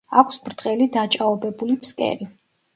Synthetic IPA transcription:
akʷʰsbɾd̪qʼɛlid̪at͡ʃʼaɔbɛbulipʰskʼɛ̰ɾi

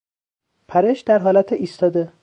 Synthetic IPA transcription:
pʰæɾeʃd̪æɾɦɒːlæt̪ʰeʔiːst̪ɒːd̪e

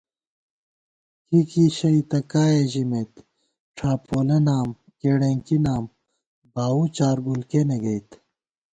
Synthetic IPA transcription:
kikiɕɐit̪ɐkaːeʑimet̪ | ʈ͡ʂʰaːpʰoːlenaːm | keːɽẽːŋkinaːm | baːut͡ɕaːɾɡulkeneɡɐjt̪

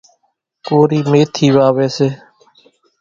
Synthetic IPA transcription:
koːɾiːmeːt̪ʰiːʋaːʋeːseː

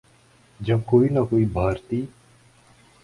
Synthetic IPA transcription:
d͡ʒɐb̚koːinakoːibʱaːɾt̪iː

